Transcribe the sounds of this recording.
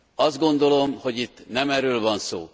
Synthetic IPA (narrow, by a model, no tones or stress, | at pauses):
ɒzd̪ɡo̞nd̪o̞lo̞mho̞ɟit̪ːnɛmɛɾøːlvɒnso̰ː